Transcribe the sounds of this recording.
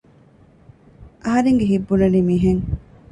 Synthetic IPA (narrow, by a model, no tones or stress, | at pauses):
ʔɐɦɐɾeŋɡeɦibːunɐliːmiːɦeŋ